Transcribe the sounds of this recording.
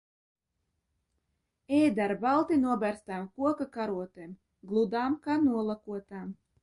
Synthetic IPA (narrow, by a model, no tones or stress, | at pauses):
ɛːjd̪aɾbalˠt̪inuɔbæɾst̪aːmkuɔkakaɾuɔt̪em | ɡlˠud̪aːmkaːnuɔlˠakuɔt̪aːm